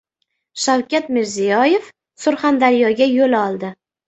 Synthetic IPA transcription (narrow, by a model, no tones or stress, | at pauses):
ʃawkʲat̪mɪɾzijɒje̞f | sʊɾχand̪aɾijɒɡʲajolɒlˠd̪ɪ